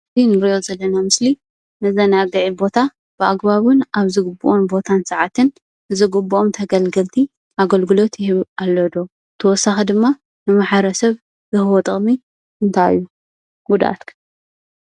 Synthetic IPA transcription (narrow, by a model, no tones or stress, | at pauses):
inɨɾijo̞zɐlːɐnamɨsli | nɨzɐnaɡɐʕibo̞t̪ʰa | b̥ɨʔaɡbaβʊnʔaβzɨɡɨbːuʔonbo̞t̪ʰansɐʕat̪ʰɨn | ɨzɨɡɨbːuʔomt̪ʰɐɡɐlɡɐlt̪ʰi | ʔaɡɐlɡɨlo̞t̪jɪhɨβʔalːɐd̪o̞ | t̪ʰɐwɔsaxid̪ɨmːa | nɨmaħaɾɐsɐβ | zɨhɨwɔt̪ʼɨχʼmi | ɨnt̪ʰa̰jːu | ɡud̪a̰t̪kʰɨ̥